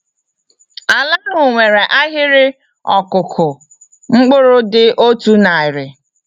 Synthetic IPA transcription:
a˨la˦ɾʊ˦ʊ˨ŋʷe˨ɾe˨ʔa˦ɦɪ˦ɾɪ˦ | ɔ˨kʊ˨kʰʊ˨ | ŋ͡m̩˦k͡pʊ˦ɾʊ˦dɪ˦ʔo˦tu˦na˨ɪ˨ɾɪ˨

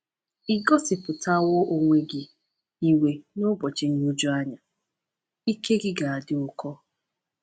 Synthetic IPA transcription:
i˨ɡɔ˦sɪ˨pʊ˨ta˦wo˦ʔo˦ŋʷe˦ɡɪ˨ | i˨we˨no˦bɔ˨t͡ʃɪ˨n̩˦ɲo˦d͡ʒu˦a˦ɲa˨ | i˦ke˦ɡɪ˦ɡa˨a˨dɪ˦ʊ˦kɔ˦

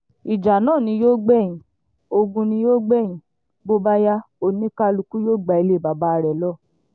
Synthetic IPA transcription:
i˨d͡ʒa˨nãː˦˨nĩ˧˦joː˦ɡ͡bɛ˦˨ĩ˨ | o˧ɡũ˧nĩ˧joː˦ɡ͡bɛ˦˨ĩ˨ | bo˦ba˦ja˦ | o˨nĩ˦ka˦˧lu˧ku˦joː˦˨ɡ͡ba˨i˧˨le˦˨ba˨ba˧˦˧ɾɛ˨lɔ˦˨

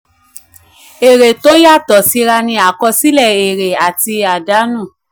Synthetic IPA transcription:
e˨ɾe˨to˦ja˦˨tɔ˨si˨˦ɾa˧nĩ˧˦a˨kɔ˧si˦lɛ˦˨e˨ɾe˨a˨ti˧a˨da˨˦nũ˦˨

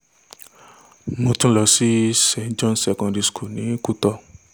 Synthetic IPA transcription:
nũ˨˧tũ˦lɔ˧si˦sɛ̃˧˨nd͡ʒɔ̃˦˧nsɛ˨kɔ̃˧ndi˨˧skʰo˨nĩ˨˦ku˦tɔ˧

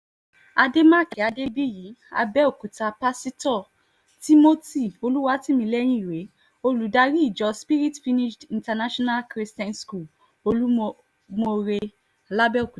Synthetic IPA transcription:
a˧de˦mã˦˨kɛ˨a˨de˦bi˦ji˨˦a̰˧bɛ˦o˦˨ku˨ta˧pa˦si˦tɔ˦˨ | ti˦mo˦ti˦˨o˧lu˦wa˧˦ti˦mĩ˧lɛ˦j̃ĩ˦i˨ɾe˨˦ | o˧lu˨da˧ɾi˦i˦˨d͡ʒɔ˨˧spi˦ɾi˦tfi˦ni˦ʃdĩ˧nta˧na˦ʃɔ˦na˦lkɾi˧stɛ̃˦nsku˦˨l | o˧lu˦ | mo˧ɾe˧˨ | la˦bɛ˦o˨ku˨

